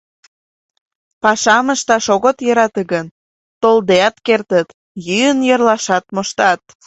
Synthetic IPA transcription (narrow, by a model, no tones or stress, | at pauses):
pɑʃɑməʃt̪ɑʃoɣot̪jəɾɑt̪əɡən | t̪old̪eɑt̪kert̪ət̪ | jyjənjərlɑʃɑt̪moʃt̪ɑt̪̚